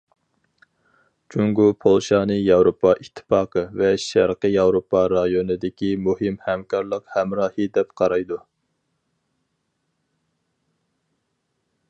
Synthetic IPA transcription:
t͡ʃʰuŋɡupʰolˠʃɑːnɨjɑwɾopʰːɑʔit̪ʰːɨ̥pɑːqʰəvɛʃæɾqəjɑwɾopɑɾɑjonɨd̪ɪkʲimuhɪmhɛmkʰɑɾlˠəqhɛmɾɑːhɨd̪ɛpqʰɑɾɑjd̪u

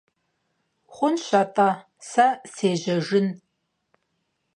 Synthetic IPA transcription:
χʷʊnɕɐtʼa | sɐseːʒɐʒɪn

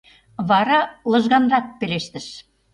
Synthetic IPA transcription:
βɑɾɑlɤ̆ʒɣɑnrɑk̚pĕleʃt̪ɘ̆ʃ

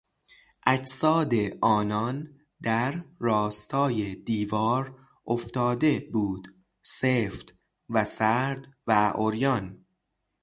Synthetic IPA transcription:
ʔæd͡ʒsɒːd̪e̞ʔɒːnɒn | d̪æɾrɒːst̪ʰɒːjed̪iːvɒːɾ | ʔoft̪ɒːd̪e̞buːd̪̥ | seːft̪ | væsæɾd̪væʔoɾjɒn

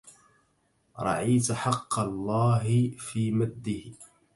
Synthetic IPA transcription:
ɾˤɑ̰ʕiːt̪ħɑqːɑlˤːaːɦɪfiːmad̪ːɪh

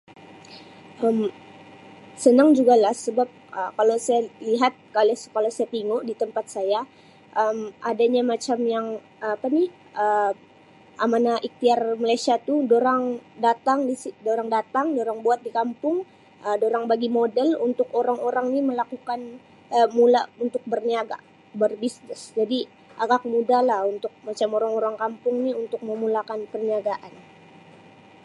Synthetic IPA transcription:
ʔəm | sənaŋd͡ʒuɡalahsəbap̚ʔəkalowsajaliɦat̪̚kalaskalosajat̪iŋoʔdit̪əmpat̪̚saja | ʔəmadaɲamat͡ʃamjaŋ | pani | ə | amanaʔik̚t̪iarmalajsiat̪udoɾaŋdat̪aŋdisidoɾaŋdat̪aŋdoɾaŋbuat̪̚dikampʊŋ | ʔədoɾaŋbaɡimodɛlunt̪ʊkoɾaŋoɾaŋniməlakukan | əmulaunt̪ʊk̚bərniaɡa̰ | bərbisnɪsd͡ʒadi | ʔaɡakmudalahunt̪ʊk̚mat͡ʃamoɾaŋoɾaŋkampʊŋniunt̪ʊk̚məmulakanpərniaɡaʔan

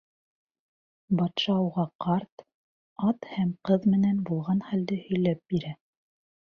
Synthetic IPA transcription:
bɑt̪ʃɑuʁɑqɑɾt̪ | ɑt̪hæmqɤðmɘ̆nænbulˠʁɑnχæld̪ɘhɵ̆jlæp̚biɾæ

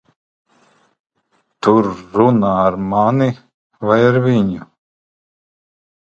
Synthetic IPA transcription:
t̪uɾːunaːɾmani | vajaɾviɲʲu

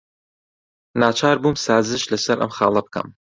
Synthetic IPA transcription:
naːt͡ʃʰaːɾbumsaːzɨʃlɐsɐɾʔɐ̰mxɑːlˠɐb̚kʰɐ̰m

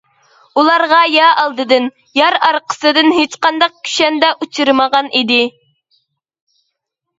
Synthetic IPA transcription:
ulˠɑɾʁɑjɑʔɑlˠd̪ɨd̪ɨn | jɑɾɑɾqʰə̥sɨd̪ɨnɦet͡ʃqɑnd̪ɑq̚kʲʰy̥ʃɛnd̪ɛʔut͡ʃʰɨɾmɑʁɑnʔid̪ɪ

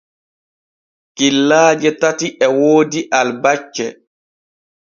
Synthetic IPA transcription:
kilːaːd͡ʒɛtatiʔɛwoːdiʔalbat͡ʃːɛ

